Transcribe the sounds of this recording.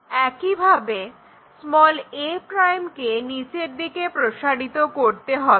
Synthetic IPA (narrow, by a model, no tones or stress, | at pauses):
ɛkibʱabe | smɔlepɾajmkenit͡ɕeɾd̪ikepɾoʃaɽit̪okoɾt̪eɦɔ